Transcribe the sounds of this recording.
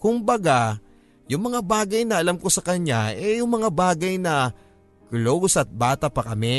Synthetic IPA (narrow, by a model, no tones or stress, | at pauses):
kʊmbɐɡa | jʊŋmɐŋabaːɡɐjnɐɐlamko̞sɐkɐɲaʔɛjʊŋmɐŋabaːɡɐjnɐ | klosɐt̪̚baːt̪ɐpɐkɐmɛ